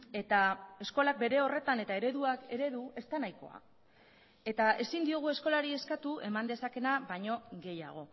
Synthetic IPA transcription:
e̞t̪ae̞sko̞lak̚be̞ɾe̞o̞re̞t̪ane̞t̪ae̞ɾe̞ðuake̞ɾe̞ðue̞st̪anajko̞̰a̰ | e̞t̪ae̞sind̪ioɣ̞ue̞sko̞laɾie̞skat̪ue̞mand̪e̞sake̞naβaɲo̞ɣe̞ja̰ɣ̞o̞

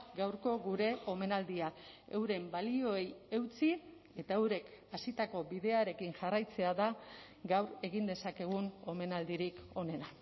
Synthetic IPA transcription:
ɡawɾko̞ɣuɾe̞o̞me̞nald̪iae̞̰wɾe̞mbalio̞e̞je̞wt͡si | e̞t̪aewɾe̞kasit̪ako̞biðe̞aɾe̞kinʝarajt͡se̞aða | ɡawɾe̞ɣind̪e̞sake̞ɣ̞uno̞me̞nald̪iɾiko̞ne̞na

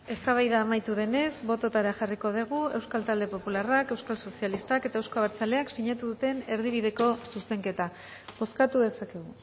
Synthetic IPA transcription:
e̞st̪aβ̞ajðaːmajt̪uðe̞ne̞zbo̞t̪o̞t̪aɾaʝariko̞ð̞eɣ̞ue̞wskalt̪ald̪e̞po̞pularake̞wskalso̞sialist̪ake̞t̪aewskoaβaɾt͡sale̞aksiɲat̪uðut̪e̞ne̞ɾðiβ̞iðe̞ko̞suse̞ŋke̞t̪a | βo̞skat̪uðe̞sake̞ɣ̞u

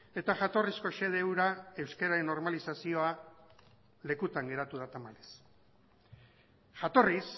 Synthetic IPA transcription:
e̞t̪aʝat̪o̞risko̞ʃe̞ð̞e̞wɾae̞wskeɾaɾe̞nːo̞ɾmalisasio̞a | le̞kut̪aŋɡe̞ɾat̪uð̞at̪amales | ʝat̪o̞ris

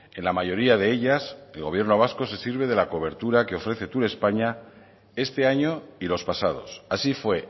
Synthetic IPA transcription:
e̞nlamaʝo̞ɾiaðe̞eʎase̞lɣo̞βje̞ɾno̞β̞asko̞se̞siɾβe̞ð̞e̞lako̞β̞e̞ɾt̪uɾake̞o̞fɾe̞θe̞t̪uɾe̞spaɲa | e̞st̪e̞aɲo̞ilo̞spasað̞o̞̰sasifwe̞

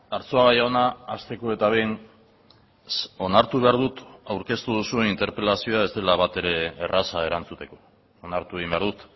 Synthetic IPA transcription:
aɾt͡so̞aɣajaonaːst̪e̞ko̞e̞t̪aβejn | o̞naɾt̪uβe̞aɾðut̪awɾke̞st̪uð̞usueint̪e̞ɾpelasio̞ae̞zd̪e̞laβat̪e̞ɾe̞ːrʔasae̞ɾant͡sut̪e̞ko̞ː | naɾt̪ue̞ɣimbeaɾðut̪

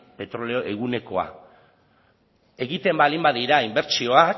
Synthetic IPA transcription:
pe̞t̪ɾo̞leoʔeɣ̞une̞ko̞a̰ | e̞ɣit̪e̞mbalimbaðiɾaimbe̞ɾt͡ʃio̞ak

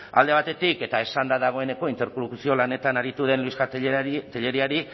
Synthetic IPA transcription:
a̰ld̪e̞β̞at̪e̞t̪ike̞t̪ae̞sand̪aðaɣ̞o̞e̞ne̞ko̞int̪e̞ɾkolukusio̞lane̞t̪anaɾit̪uð̞e̞nluisɣat̪eʎe̞ɾiaɾi

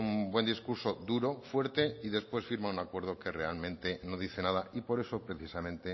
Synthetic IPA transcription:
umbwe̞nd̪iskuɾsod̪uɾofwe̞ɾt̪eiðe̞spwe̞sfiɾmaunakwe̞ɾðoke̞realmẽ̞nt̪eno̞ð̞iθenaðaipo̞ɾe̞sopɾeθisamẽ̞nt̪e

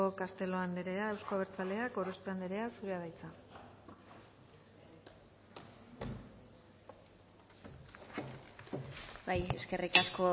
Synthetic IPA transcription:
okast̪e̞lo̞and̪eɾe̞aewskoaβ̞e̞ɾt͡sale̞ako̞ɾo̞st̪eand̪eɾe̞aksuɾeað̞ajt͡sa | baje̞ske̞rikasko̞

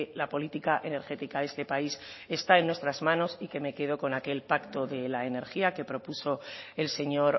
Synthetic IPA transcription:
lapo̞lit̪ikaʔe̞ne̞ɾxe̞t̪ikaðe̞st̪e̞paise̞st̪ae̞nːwe̞st̪ɾazmãno̞sike̞me̞ke̞ð̞o̞ko̞nake̞lpakt̪o̞ðe̞lae̞ne̞ɾxiake̞pɾo̞puso̞e̞lse̞ɲo̞ɾ

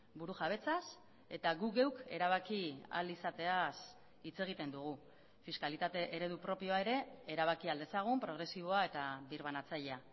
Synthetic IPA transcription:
buɾuʝaβ̞e̞t͡sas | e̞t̪aɣuɣe̞wke̞̰ɾaβ̞akia̰lisat̪e̞as | it͡se̞ɣ̞it̪e̞nd̪uɣ̞u | fiskalit̪at̪e̞ʔeɾe̞ðupɾo̞pio̞ae̞ɾe̞eɾaβ̞akiald̪e̞saɣ̞umpɾo̞ɣ̞ɾe̞siβ̞o̞ae̞t̪aβiɾβ̞anat͡saʎea

